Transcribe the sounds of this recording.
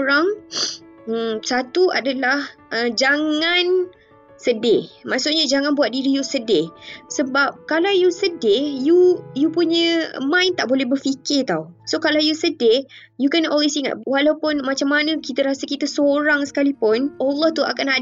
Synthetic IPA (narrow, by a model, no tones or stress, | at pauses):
ɾaŋ̩ | sat̪ua̰dalahʔəd͡ʒaŋan | sədɪmaʔsʊʔɲad͡ʒaŋãnbuat̪̚diɾijusədɪsəbap̚kalawjusədejujupuɲə̃mãɪnt̪aʔbolɛhbərfikɪrt̪ausokalawjusəde | jukɛnʔɔlwesiŋa̰t̪̚walawpʊnmat͡ʃamːanə̃kit̪əɾasakit̪əsoɾaŋsə̥kalipʊnʔɔlːɔht̪ua̰kana